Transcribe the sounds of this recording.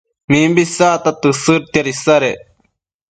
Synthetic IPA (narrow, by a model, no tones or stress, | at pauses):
miːmbisaːt̪ɐt̪ɨsɨɾt̪ɐɾisɐɾe